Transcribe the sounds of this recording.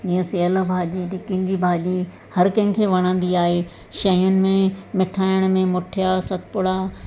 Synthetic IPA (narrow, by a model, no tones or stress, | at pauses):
d͡ʑiːə̃seɐlbʱaːʄiʈɪkɪ̃ɲ̆d͡ʑibʱaːʄi | hɐɾkɐ̃ɦɪ̃kʰeːʋɐɽ̃ə̃n̆d̪iaːɦe | ʃɐjʊnɪ̆mẽmɪʈʰaːɪɽ̃mẽmʊʈʰijasɐt̪pʊɽa